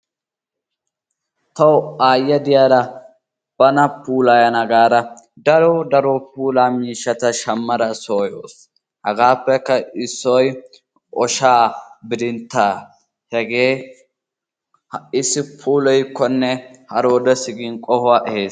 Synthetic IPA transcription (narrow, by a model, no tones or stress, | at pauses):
t̪ɐwʊaːjːɐd̪ɪjaːɾɐ | b̥ɐnɐpuːlajɐnɐɡaːɾɐ | d̪ɐɾɔd̪ɐɾɔp̚uːlaːmiːʃːɐt̪ɐʃɐmːɐɾɐsoːjoːs | hɐɡaːpːɛkːɐɪsːɔj | ʔɔʃaːbɪd̪ɪnt̪ːaː | hɛɡeː | ɪsːɪpʰuːlɔjkːɔnːɛhɐɾoːd̪ɔsɪɡɪnkʼɔhʊwaʔɛheːs